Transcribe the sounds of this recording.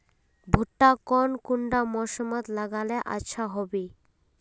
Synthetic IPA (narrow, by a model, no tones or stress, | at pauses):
bʱuʈːakɔnkuɳɖamɔʃomat̪laɡaleʔa̰ʃʰaɦɔbi